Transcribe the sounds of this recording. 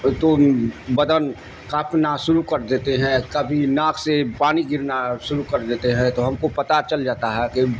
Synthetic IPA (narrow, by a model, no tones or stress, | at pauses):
t̪obɐd̪ən | kaːpnaʃʊɾukɐɾd̪eːt̪eɦɛ̃kɐbʱinaːkʰsepaːniɡɪɾnaʃʊɾukɐɾd̪eːt̪eɦɛ̃t̪oɦɐmkopɐt̪at͡ʃɐld͡ʒaːt̪aɦɛke